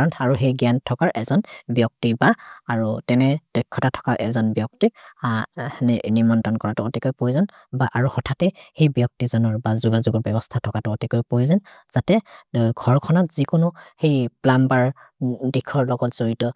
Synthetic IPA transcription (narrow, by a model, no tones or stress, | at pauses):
aɹɔnaɹuɦejɡjantʰːɔkaɹʔɛzɔnbjɔk̚tibaaɹutɛnɛd̥ɔjkʰːɔtatʰɔ̥kaʔɛzɔnbjɔk̚ti | nɛnimɔntɔnkɔɹatʊotikɔjpojzan | baʔaɹuhɔtʰatɛhejbjɔk̚tizɔnɔɹbazuɡazuɡɔɹbɛbɔstʰatʰɔkatʊotikɔjpojzanz̥atɛɡʱɔɹkʰɔnatz̥ikʊnʊhejplambaɹ | dikʰːɔɹlɔɡɔtz̥oɹitɔ